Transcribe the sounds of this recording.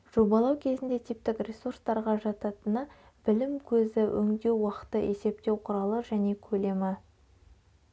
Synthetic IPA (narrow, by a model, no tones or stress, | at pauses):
ʒ̥o̞bɑlˠɑwkʲʰe̞zɪnd̪e̞t̪ʰijp̚t̪ɪkrʲe̞surst̪ɑɾʁɑʒɑt̪ɑt̪ənə | b̥ɪlɪmkʲʰɵzɪʔɵ̰ŋd̪e̞wwɑqə̥t̪ːəʔe̞se̞p̚t̪e̞wqʰʊɾɑlˠəʒæne̞kʲʰɵle̞mɪ